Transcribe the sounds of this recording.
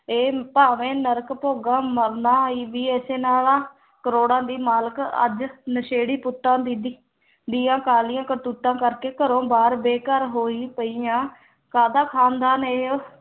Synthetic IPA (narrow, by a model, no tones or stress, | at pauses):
eːpaːʋẽːnəɾkpoːɡãːməɾnaːiːʋiːeːseːnaːlãː | kəɾoːɽãːd̪iːmaːləkə̰d͡ʒnəʃeːɽiːpʊʈːãːd̪id̪ | d̪iːãːkaːlɪjãːkəɾt̪uːʈːãːkəɾkeːkəɾõːbaːɾbeːkəɾɦoːiːpəijãː | kaːd̪aːkʰaːnd̪aːneːo